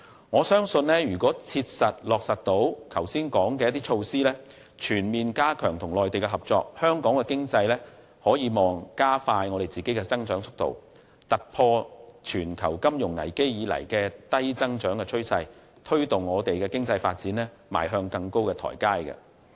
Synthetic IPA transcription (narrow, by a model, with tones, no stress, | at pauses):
ŋɔː˨˧sœː˥ŋsɵ˧nlɛː˥jyː˨˩kɔː˨˥t͡sʰiː˧t̚sɐ˨t̚lɔː˨k̚sɐ˨t̚t̪o˨˥wkʰɐ˨˩wsiː˥nkɔː˨˥ŋkɛː˧jɐ˥t̪iː˥t͡ʃʰo˧wsiː˥lɛː˥ | t͡ʃʰyː˨˩nmiː˨nkaː˥kʰœː˨˩ŋt̪ʰʊ˨˩ŋlɔː˨jt̪e˨jkɛ˧ɦɐ˨p̚t͡sɔ̰ː˧k̚hœː˥ŋkɔː˨˥ŋkɛ˧kɪ˥ŋt͡sɐ˧jlɛː˥ | hɔː˨˥jiː˨˧mɔː˨ŋkaː˥faː˧jŋɔː˨˧ɾe˨jt͡siː˨ke˨˥jkɛː˧t͡sɐ˥ŋt͡ʃœː˨˥ŋt͡sʰʊ˥k̚t̪o̰˨˩w | t̪ɐ˨k̚pʰɔː˧t͡ʃʰyː˨˩nkʰɐ̰˨˩wkɐ˥mjʊ˨˩ŋːɐ̰˨˩jke˥jjiː˨˧lɐ̰˨˩jkɛː˧t̪ɐ˥jt͡sɐ˥ŋt͡ʃœː˨˥ŋkɛː˧t͡ʃʰɵ˥ɥsɐ˧j | t̪ʰɵ˥ɥt̪ʊ˨˩ŋːɔː˨˧t̪e˨jkɛː˧kɪ˥ŋt͡sɐ˧jfaː˧t̚t͡siː˨˥nlɛː˥ | ma̰ː˨˩jɦœː˧ŋkɐ˧ŋko˥wkɛː˧t̪ʰɔ̰ː˨˩jkaː˥jkɐ̰˧